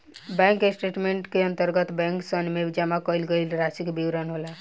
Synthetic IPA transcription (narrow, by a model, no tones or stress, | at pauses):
bɛ̃ŋkesʈeʈmeɳʈkeənt̪əɾɡət̪bɛ̃ŋksənmebd͡ʒamakəjlɡəjlɾasikbiwɾənɦola